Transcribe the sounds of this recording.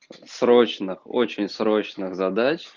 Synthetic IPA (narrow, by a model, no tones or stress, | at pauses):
sɾot͡ɕnɨxo̰t͡ɕɪnʲsɾot͡ɕnɨɣzɐd̪at͡ɕʲ